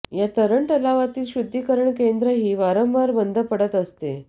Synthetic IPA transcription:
jat̪əɾəɳʈəlaʋat̪iːlɕud̪ʱːikəɾəɳkend̪ɾəɦiːʋaɾəmʋaɾbənd̪ʱəpəɽət̪əst̪ḛ

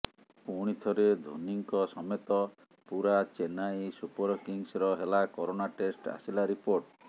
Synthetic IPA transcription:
puɽ̃it̪ʰɔɾed̪ʱo̰niŋkɔsɔmet̪ɔ | puɾat͡ʃenajsupɔɾɔkiŋsɾɔɦelakɔɾonaʈesʈa̰silaɾipoɾʈ

